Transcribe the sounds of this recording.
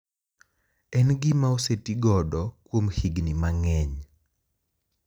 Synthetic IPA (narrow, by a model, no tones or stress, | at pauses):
ɛnɡimaosetiɡɔdɔkwomhiɡnimaŋɛɲ